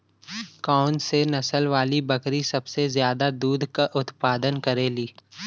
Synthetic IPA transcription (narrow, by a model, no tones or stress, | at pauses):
kaːʊnsenɐsəlʋaːlibɐkɾisɐbsezjaːd̪ad̪uːd̪ʱkaʔʊt̪paːd̪ənkɐɾeːliː